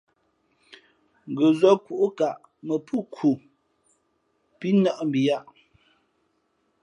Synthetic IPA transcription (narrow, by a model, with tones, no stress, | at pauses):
ŋ˨ɡə˨zɔ˦ku˨ʔu˦ka˨ʔ | mə˨pʰu˦kʰu˨ | pi˦na˦ʔm̩˨bi˨ja˦ʔ